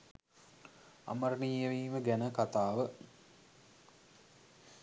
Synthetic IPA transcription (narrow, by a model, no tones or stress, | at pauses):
a̰məɾəniːjəʋiːməɡænəkat̪aːʋə